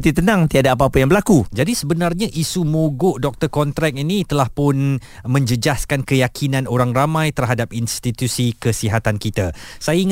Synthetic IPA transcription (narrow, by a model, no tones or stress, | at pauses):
t̪it̪ənãŋt̪iadaːpaːpajaŋbəlakud͡ʒadisəbənarɲaʔisumuɡʊʔdɔk̚t̪ərkɔnt̪ɾɛk̚init̪əlahpʊn | mə̃ɲd͡ʒəd͡ʒaskankəjakʰinãnoɾaŋramãjt̪ərɦadap̚inst̪it̪usikəsiɦat̪ankit̪asajaiŋ